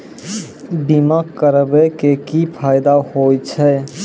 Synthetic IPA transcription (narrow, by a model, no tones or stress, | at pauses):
bimakkəɾəbekekipʰaːɪd̪ahot͡ʃʰɛ